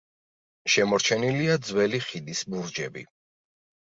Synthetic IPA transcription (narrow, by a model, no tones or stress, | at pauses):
ʃɛmɔɾt͡ʃʰɛniliad̪zwɛliχid̪isbuɾd͡ʒɛbḭ